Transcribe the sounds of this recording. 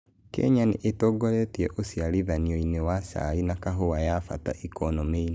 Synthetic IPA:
kɛ̰ɲanḛʔetɔɡɔɾɛtiɛʔosjaɾivanioinewasa̰inakaɦowajafa̰ta̰ʔikɔnɔmeine

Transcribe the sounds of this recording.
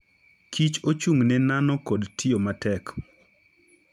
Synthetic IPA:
kʰit͡ʃot͡ʃuŋnɛnanɔkodtʰiomatɛk

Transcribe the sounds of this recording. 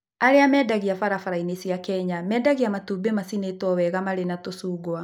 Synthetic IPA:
aɾeamɛdaɣiafaɾafaɾainesiakɛɲamɛːdaɣiamatuːbemasinetwɔwɛɣamaɾenatosuːɡwa

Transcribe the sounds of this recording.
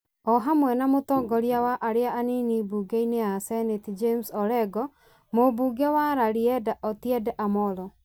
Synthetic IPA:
ɔɦamwɛnamotɔɡɔɾiawaʔaɾeaʔaninibuɡeineasɛnetid͡ʒemsɔɾɛɡɔ | mobuɡɛwaɾaɾiɛdaʔɔtjɛdɛʔamɔlɔ

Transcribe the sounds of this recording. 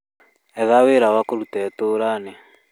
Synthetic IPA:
ɛðaweɾawakoɾutɛtoːɾanɛ

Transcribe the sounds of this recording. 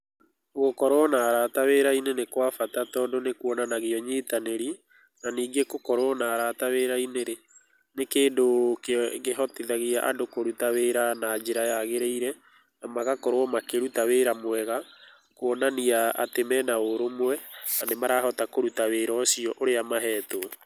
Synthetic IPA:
ɣokɔɾɔnaɾataweɾainenekwafatatɔːdonekwɔnanaɣiɔɲeːtaneɾi | naniːɡekokɔɾwɔnaɾataweɾaineɾe | nekeːdokɣeɦɔtiðaɣiaʔa̰dokoɾutaweɾanaːd͡ʒeɾajaɣeɾeiɾɛ | namaɣakoɾwɔmakeɾutaweɾamwɛɣa | kwɔnaniaa̰temɛnaoɾomwɛnanemaɾaɦɔtakoɾutaweːɾɔsiɔʔoɾeamaɦɛːto

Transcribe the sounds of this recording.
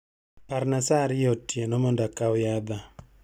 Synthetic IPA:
paɾnasaɾjotjenɔmɔndakawjaba

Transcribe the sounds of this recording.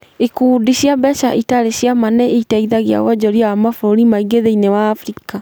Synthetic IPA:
ekuːdiɕjabɛʃaʔitaɾeɕjamanɛeitaiðaɣia̰wɔd͡ʑɔɾjawamafɾoɾimaiɡeðeinewaːfɾika

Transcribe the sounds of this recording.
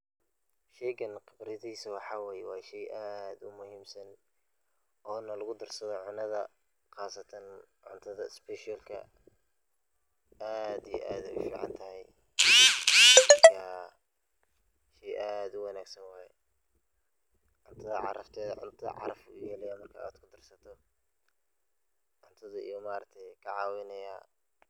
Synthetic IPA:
ʃɛjɡɐnqɪbɾɪðiːsɐwɑħɑːwɛːjɛwɑːʃɛjʔaːd̪ʊmʊhiːmsɐn | ʔɔːnɐlɐɣʊd̪ɐrsɐðɔʕʊnɐðɐ | qɑːsɐt̪ʰɐnʕʊnt̪ʰɐðɐɪspɛʃalkʰɐ̰ | aːd̪ijɛ̰ʔaːd̪ɛʊfḭːʕɑ̰nt̪ʰɐɦɛj | mɐrkʰaː | ʃɛːʔaːd̪ʊwɐnaːɡsɐnwɑːhɛ̰ | ʕʊnt̪ʰɐðɐʕɑ̰ɾɐft̪ʰɛːðʕʊ̰nt̪ʰɐɐ̰ʕɑ̰ɾɐfʊjɛːlɛjaːmɐrkʰa̰a̰ːd̪kʰʊd̪ɐrsɐt̪ʰɔ | ʕʊnt̪ʰɐðɐḭjɔmaːɾɐk̚t̪ʰɛjkʰɐʕɑːwɛnɐjaː

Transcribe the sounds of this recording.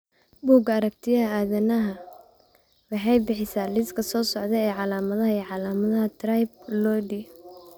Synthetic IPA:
buːɡɐɾɐk̚t̪ʰɪjɐɦɐaːðɐnɐɦɐ | wɑħɑjbɪħɪsaːlɪskʰɐsɔːsɔʕd̪ɛɛːʕɑlaːmɐðɐɦɐiːʕɑlaːmɐðɐɦɐt̪ʰrɐjb̚lɔːɖi

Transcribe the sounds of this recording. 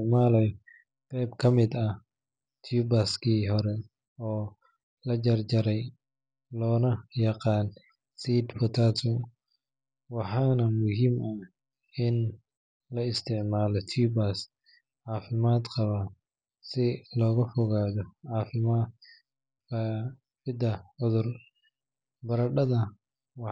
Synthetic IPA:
maːlɛj | qɛjbkʰɐmɪd̪ɐ | t̪ʰjubaskʰiːɦɔɾɛ | ɔː | lɐd͡ʒɐrd͡ʒɐɾɛj | lɔːnɐjɑqɑːn | siːd̪fʊt̪ʰaːt̪ʰɔ | wɑħɑːnɐmʊɦimɐ | ɪn | lɐɪst̪ʰɪʕmaːlɔt̪ʰiːbas | ʕɑːfɪmaːd̪qɑβa | sɪlɔːɣɐfɔɣaːðɔʕɑːfɪmaːd̪ | kʰɐ | fɪd̪ɐʕʊðʊr | bɐɾɐɖɐðɐ | wɑ

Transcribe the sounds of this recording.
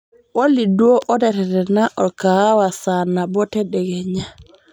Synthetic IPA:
walːiduoʔɔdɛtɛtɛnaʔɔkawasanabɔtɛɗɛɡɛɲa

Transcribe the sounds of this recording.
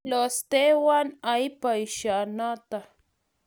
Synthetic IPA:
lost̪ewanajpajʃanat̪a

